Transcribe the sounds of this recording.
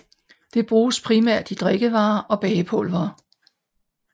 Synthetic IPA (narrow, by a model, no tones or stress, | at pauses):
d̥e̝b̥ʁuːspʰʁimæɐ̰d̥id̥ʁeɡ̥əʋɑ̈ːʔɒ̽b̥ɛːpʰɔlʋɐː